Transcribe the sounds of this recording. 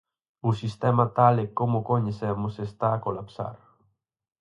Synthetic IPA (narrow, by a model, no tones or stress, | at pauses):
usist̪emat̪alekomokoɲesemosest̪aːkolapsa̰ɾ